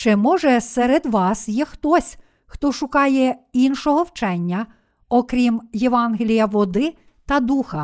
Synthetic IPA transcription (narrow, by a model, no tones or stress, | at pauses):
t͡ʃɪmɔʒɛsɛɾed̪ʋɑsjɛxt̪ɔsʲ | xt̪ɔʃʊkɑjɛinʃɔɦɔwt͡ʃɛnʲːɐ | ɔkɾʲimjeʋɑnɦelʲijɐʋɔd̪ɪ | t̪ɐd̪uxɐ